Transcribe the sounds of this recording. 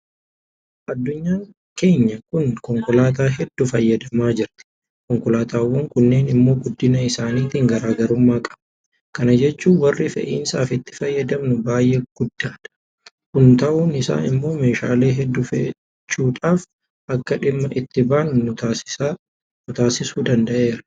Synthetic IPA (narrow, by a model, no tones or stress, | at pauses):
ʔɐd̪ːʊɲːaː | ke̞ːɲːɐkʊnkɔŋkɔlaːt̪̬aːɦɛd̪ːʊfɐjːɐd̪ɐmaːd͡ʒɪɾt̪ɪ̥ | kɔŋkɔlaːt̪aːwːɐŋkʊnːe̞ːnɪmːo̞ːɡʊd̪ːɪnɐɪsaːniːt̪iːŋɡɐɾaːɡɐɾʊmːaːkʼɐ̥b | kɐnɐd͡ʒɛt͡ʃːuːnwɐrːɪfɛ̰ʔḭːnsaːfɪt̪ːɪ̥fɐjːɐd̪ɐmnʊbaːjʔeːɡ̥ʊd̪ːaːᶑ̪ɐ̥ | kʊnt̪ɐʔuːnɪsa̰ːnɪmːo̞ːme̞ːʃa̰ːle̞ːɦɛd̪ːʊfɛ | t͡ʃːuːᶑaːf | ʔɐkːɐᶑɪmːɐʔɪt̪ːɪbaːnʊnʊsɪ | nʊt̪aːsɪsuːd̪ɐnd̪ɐʔe̞ːɾɐ